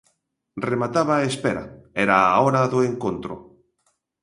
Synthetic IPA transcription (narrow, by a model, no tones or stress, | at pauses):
remat̪aβaespɛɾa̰ɛɾaoɾaðoeŋkont̪ɾʊ̰